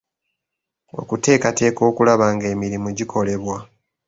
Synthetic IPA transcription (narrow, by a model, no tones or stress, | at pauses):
o̰kute̞ːkate̞ːko̞ːkulaβaːŋɡe̞ːmiɾimuɟikʰo̞le̞βwa